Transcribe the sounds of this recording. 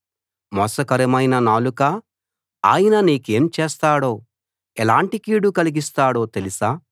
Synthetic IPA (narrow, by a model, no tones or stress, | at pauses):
mɔsɐkɐɾɐmɐjnɐnaːluka | a̰ːjɐnɐniːke̞ːmt͡ʃɛːst̪aːɽo̞ː | ɛlaːɳʈikiːɽukɐliɡist̪aːɽo̞ːt̪elisaː